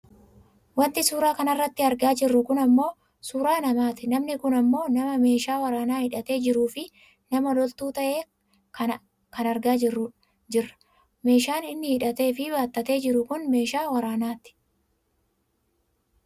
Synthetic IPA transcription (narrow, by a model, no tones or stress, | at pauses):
wɐnt̪ɪsuːɾaːkɐnɐrːɐt̪ːɪɐɾɡaːd͡ʒɪrːʊkʊnɐmːo̞ː | suːɾaːnɐmaːt̪ɪnɐmnɪkʊnɐmːo̞ːnɐmɐme̞ːʃaːwɐɾaːnaːhɪᶑɐt̪e̞ːd͡ʒɪɾuːfɪ | nɐmɐlɔlt̪uːt̪ɐʔe̞ː | kɐ | kɐnɐɾɡaːd͡ʒɪrːʊ | d͡ʒɪrːɐ̥ | me̞ːʃaːnɪnːɪhɪᶑɐt̪e̞ːfɪbaːt̪ːɐt̪e̞ːd͡ʒɪɾʊkʊnme̞ːʃaːwɐɾaːnaːt̪ɪ̥